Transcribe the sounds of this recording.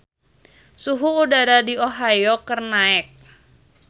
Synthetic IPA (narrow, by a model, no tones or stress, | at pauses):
suɦuːdaɾadioɦajokərnaɛk̚